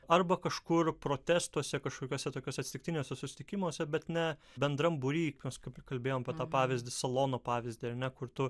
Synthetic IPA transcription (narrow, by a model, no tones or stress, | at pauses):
ɐrbɐkɐʃkʊrpɾoːt̪ʲæːst̪uɔsʲɛkɐʃkoːkʲoːsʲɛt̪oːkʲoːsʲɛt̪sʲɪt̪ʲɪkt̪ʲɪnʲeːsʲɛsʊsʲɪ̥t̪ʲɪkʲɪmoːsʲɛbʲɛt̪nʲɛ | bʲɛnd̪ɾɐmbʊɾʲiːkʲmʲɛskɐpkɐlʲbʲeːjoːmɐpʲiɛt̪ɑːpɑːʋʲɪzʲd̪ʲɪsɐlˠoːnoːpɑːʋʲɪzʲd̪ʲɪɐɾnʲɛkʊɾt̪ʊ